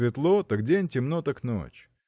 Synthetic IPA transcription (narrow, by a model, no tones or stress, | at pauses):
vʲɪt̪lˠot̪akdʲenʲtʲɪmnot̪akno̰t͡ɕ